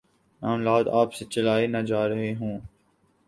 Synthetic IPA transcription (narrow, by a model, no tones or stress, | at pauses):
maːmlaːd̪aːpset͡ʃɐlaːenad͡ʒaːɾɐɦeɦũː